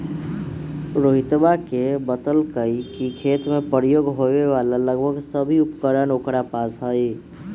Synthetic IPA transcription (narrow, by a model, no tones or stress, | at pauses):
ɾoɦit̪bakebət̪əlkəjkikʰet̪mepəɾijoɡɦobeʋalaləɡbʱəɡsəbʱiupkəɾənokɾapasɦəj